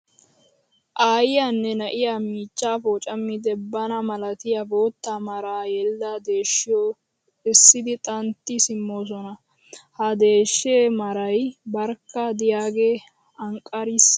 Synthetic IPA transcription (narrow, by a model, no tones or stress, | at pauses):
ʔaːjɪjaːnːɛnɐʔɪjamiːt͡ʃːaːfoːt͡ʃʼɐmːɪd̪ɛbːɐnɐmɐlɐt̪ɪjaboːt̪ːaːmɐɾaːjɛlːad̪e̞ːʃːɪjoː | ɪsːɪd̪ɪt̪ʼɐnt̪ːɪsɪmːoːs̬ɔnɐ | hɐd̪e̞ːʃːeːmɐɾɐjbɐɾkːɐd̪ɪjaːɡeː | ɐŋkʼːɐɾis